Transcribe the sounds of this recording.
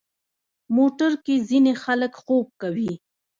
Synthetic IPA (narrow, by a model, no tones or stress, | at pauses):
moʈaɾkezinexaləkxob̚kawi